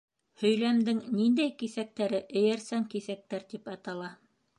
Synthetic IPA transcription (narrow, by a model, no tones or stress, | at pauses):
hɵ̆jlæmd̪ɘŋnind̪æjkisæk̚t̪æɾɘʔɘ̆jæɾsæŋkisæk̚t̪æɾt̪ipɑt̪ɑlˠɑ